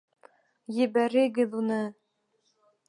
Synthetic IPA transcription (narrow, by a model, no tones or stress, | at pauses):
jɘ̆bæɾɘ̆ɡɘðunɤ